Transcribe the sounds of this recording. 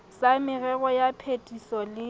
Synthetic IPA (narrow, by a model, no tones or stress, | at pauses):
samɪrɛɣɔjapʰetʼisɔlɪ